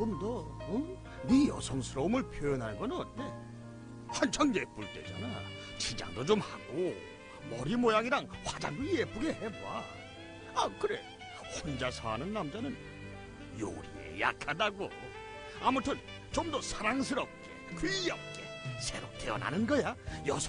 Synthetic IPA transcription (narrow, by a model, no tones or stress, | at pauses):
ɡɯmdʌ | nijʌ̰sʰʌŋsʰɯɾʌmɯɭpʰjojʌnɦaɭɡʌnɯnːe̞ | wand͡ʑʰaŋjep͈uɭt͈e̞̰d͡ʑa̰na | t͡ɕid͡ʑa̰ŋdod͡ʑomhaɡo | mʌɾimojaɡiɾaŋɸwad͡ʑa̰ŋijep͈uɡe̞heba | akɯɾe | hond͡ʑasʰanɯnːamd͡ʑanɯn | jo̰ɾiḛja̰kʰadaɡo | amutʰɯn | t͡ɕomdʌsʰaɾaŋsʰɯɾʌp̚k͈e̞̰kijʌp̚k͈e | sʰe̞ɾop̚t͈ʰeʌna̰nɯnɡʌjajʌs